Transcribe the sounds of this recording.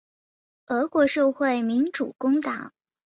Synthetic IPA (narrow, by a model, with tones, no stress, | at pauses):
ɤ˧˥kwɔ˧˥ʂɤ˥˧ʊxwe˥˩ɪmi˧˥nʈ͡ʂu˨˩kʊ˥ŋt̪ɑ˨˩˦